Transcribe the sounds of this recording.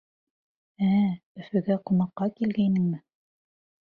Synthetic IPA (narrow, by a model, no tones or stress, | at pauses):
æɵ̆fɘ̆ɡæqŭmɑqːɑkilɡæjnɘŋmɘ